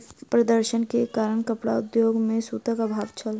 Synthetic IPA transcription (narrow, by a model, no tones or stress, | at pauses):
pɾɐd̪əɾʃənkekaːɾəɳ̃kəpɽa̰ʊd̪joːɡmẽsuːt̪əkabʱaːʋt͡ʃʰəl